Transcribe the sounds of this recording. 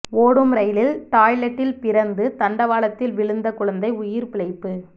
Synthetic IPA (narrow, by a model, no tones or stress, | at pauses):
oːɽɯmɾɐjlɪlt̪aːjlɐʈːɪlpɪɾɐnd̪ɯt̪ɐɳɖɐʋaːɭɐt̪ːɪlʋɪɭɯnd̪ɐkʊɭɐnd̪ɐɪʊjɪɾpɪɭɐɪpːɯ